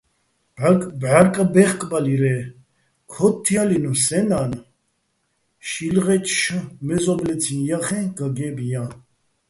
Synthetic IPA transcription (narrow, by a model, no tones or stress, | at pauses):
bakʼbʕaɾkʼabɛχkʼbaliɾɛ | kʰɔt̪ʰːjalinusɛnan | ʃilʁɛt͡ʃʰʼʃəmɛzɔblɛt͡sʰinjaχɛ̃ɡaɡɛbija